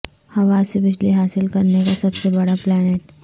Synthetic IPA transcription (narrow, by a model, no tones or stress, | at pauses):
hɐʋaːsebɪd͡ʒliɦaːsɪlkɐɾnekasɐbsebɐɽaplɛːneːʈ